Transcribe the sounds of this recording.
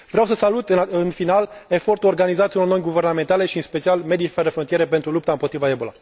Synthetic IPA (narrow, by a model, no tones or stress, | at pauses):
vɾeawsəsalut̪ɨɨnfinale̞fo̞rt̪uo̞rɡanizat̪ʲiulono̞jʲɡuve̞rɾname̞nt̪ale̞ʃiɨnspe̞t͡ʃialme̞d̪ifed̪efɾont̪ieɾe̞pent̪ɾulup̚t̪aɨmpo̞t̪ɾivae̞bola̰